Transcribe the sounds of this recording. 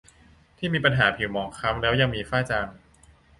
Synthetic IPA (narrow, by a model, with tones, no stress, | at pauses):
t̪ʰiː˥˩miː˧pa˧nɦaː˩˦pʰi˨˩˦wmɔː˨˩ŋkʰa˦˥mlɛː˦˥wja˧ŋmiː˧faː˥˩t͡ɕaː˧ŋ